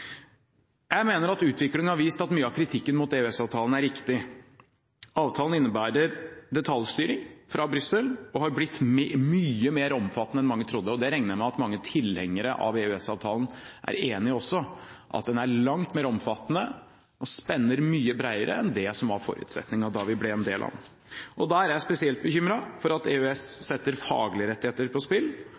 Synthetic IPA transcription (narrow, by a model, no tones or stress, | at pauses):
jæɪmeːnəɾɑt̪ʉːt̪ʋɪklɪŋənhɑɾʋiːst̪ɑt̪myːəɑkʰɾɪt̪ʰɪkːənmuːt̪eːʉɛsɑːʋt̪ʰɑːlən̩æɾːɪkt̪ɪ | ɑːʋt̪ʰɑːln̩ɪnːəbæːɾəɾd̪ɛt̪ʰɑljst̪yːɾɪŋfɾɑbɾʏsəlɔhɑɾblɪt̪ːmyːəmeːɾɔmfɑt̪ːənəɛnmɑŋːət̪ʰɾʊd̪ːəɔd̪ɛɾɛŋəjmæɪɑt̪mɑŋːət̪ʰɪlhɛŋːəɾəʔɑ̰ʋeʉɛsɑːʋt̪ʰɑːlənʔæ̰ɾeːnɪɔsːɔʔɑ̰t̪̚d̪ɛnæɭɑŋt̪meːɾɔmfɑt̪ːnə | ɔspɛnːəɾmyːəbɾæɪəɾʔə̰ɛnd̪ɛsɔmɑɾfɔ̰ɾʉ̰ːt̪sɛ̰t̪nɪŋɑd̪ɑʋɪblɛɛnd̪ḛːlʔɑ̰n | ʔɔd̪ɑæɾjæɪspɛsɪɛlt̪̚bəçʏmɾɑfɔɾɑt̪eʉɛsːɛt̪ːəɾfɑ̰ːɡlɪɾɛt̪ːɪheːt̪əɾpʰɔspɪlː